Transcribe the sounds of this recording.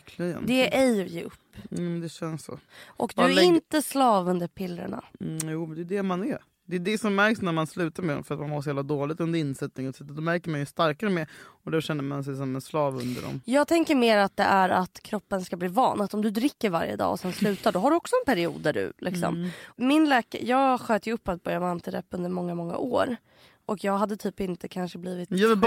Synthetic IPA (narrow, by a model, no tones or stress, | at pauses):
klɪɡə̰nd̪ɛʔɛjjeːʔɵpːuːmɛnd̪ɛɕɛnssɔ̰ʔɔkd̪ɵɪnt̪əslɑːvɵnd̪əɾpʰɪlːɾə̰ɳa̰juːmɛnd̪ɛd̪ɛmanɛ | d̪ɛd̪ɛsɔmːæɾksnæɾmanslʉ̟ːt̪aɾmɛd̪ɔ̰mfœɾat̪manhaɾs̬ɔhɛːvlad̪oːlɪɡt̪ɵnd̪əɾɪnsɛt̪nɪŋɔt̪sɛt̪ːəd̪ɔmæɾkəɾmanjɵst̪aɾkaɾəmɛɔd̪æɕɛnːəɾmans̬ɛjs̬ɔmɛnslɑːvɵ̰nd̪ə̰ɖɔ̰mjɑːɡ̚t̪ʰɛŋkəɾmeːɾat̪̚d̪ɛ̰ʔæɾat̪kʰɾɔpːənskabliːvɑ̰ːnat̪ɔmd̪ɵd̪ɾɪkːəɾva̰ɾjə̰d̪ɑ̰ːɔ̰sɛnslʉ̟ːt̪aɖɔɦaɖɵɔksɔɛnpʰæɾɪṵːd̪ːæɖɵ̰lʔɪksɔ̰mmɪnlɛːka̰jɑːɡɧøːt̪əjɵɵpːat̪̚bœjamant̪ʰɪd̪ɛ̰pːɵnd̪əɾmɔŋːamɔŋːa̰ʔoːɾ | ʔɔkjɑːɡɦad̪ːət̪ʰyːpɪnt̪əkʰanʂəbliːvɪt̪ɑv